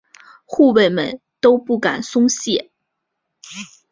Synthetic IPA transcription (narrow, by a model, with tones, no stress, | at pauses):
xu˥˧we˥˩ɪmə̰˨n | t̪o˥ʊpu˥˩ka˨˩nsʊ˥ŋɕjɛ˥˩